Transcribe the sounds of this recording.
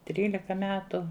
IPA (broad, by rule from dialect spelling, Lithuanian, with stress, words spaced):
ˈtʲrʲiːlʲɪkɐ ˈmʲæːtʊ